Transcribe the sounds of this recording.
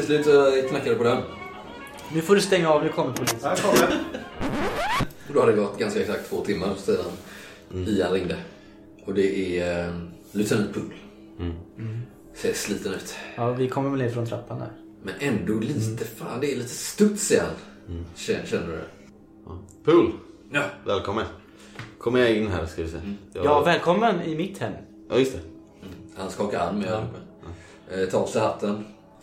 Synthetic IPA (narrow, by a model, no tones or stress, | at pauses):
t̪ʰɪslʉ̟ːt̪sɔkʰnakːad̪ɛpɔd̪ɛn | nʉ̟foːɖɵst̪ɛŋːaɑvnʉkʰɔmːəɾpʰɔlikʰɔə | ɔd̪ɔhad̪əɪɡɔt̪ːɡanskaɛksak̚t̪ʰːvoːt̪ʰɪmːaɾsɛːd̪an | ɪhanɾɪŋd̪ə | ɔd̪ɛʔɛɾ | lʉːt̪ːənːpʰɵllː | sɛəʂliːt̪ənʉ̟ːt̪ɑːvɪkʰɔmːəmɛlɪt̪fɾɔnt̪ʰɾa̰pːanæ̰ɾ | mɛnʔɛnd̪ɔliːt̪əfa̰ːnd̪ɛːliːt̪əst̪ɵt̪sɛjəha̰n | ɛɕɛnːəɾɛ̰ | pʰɵl | vɛːlkʰɔmːən | kʰɔmːəɾjaɪnːɦæ̰ːɾskalɪsɛjajjɑːvɛːlkʰɔmːənɪmɪt̪hɛmː | jʔɑ̰ːjʏst̪ʰɛ | hanskɑːkaɾa̰nːmɛ | t̪ʰɑːɔpsɛhat̪ʰːən